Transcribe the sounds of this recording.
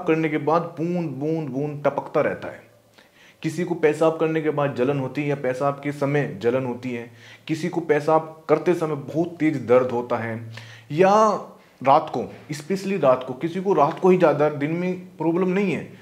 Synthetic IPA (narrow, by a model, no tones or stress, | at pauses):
b̚kɐɾnekebaːd̪̚puːnd̪buːnd̪buːnʈɐpəkt̪aɾɛ̰ɦt̪a̰ɦɛ̰ː | kɪsikopɛːsaːb̚kɐɾnekebaːd̪̚d͡ʒɐlənɦoːt̪iɦɛjapɛːsaːp̚kesɐməjd͡ʒɐlənɦoːt̪iɦɛːkɪsikopɛːsaːp̚kɐɾt̪esɐməbɐɦt̪ːeːzd̪ɐɾd̪ʱɦoːt̪aɦɛːja | ɾaːt̪koɪspeːsliɾaːt̪kokɪsikoɾaːt̪koɦid͡ʒjaːd̪ad̪ɪnmẽpɾɔːbləmnɐɦĩɦɛː